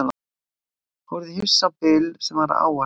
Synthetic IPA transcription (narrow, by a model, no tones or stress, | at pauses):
n | hɔɾðɪhifsapɪlsɛmaɾ̰a̰ːwa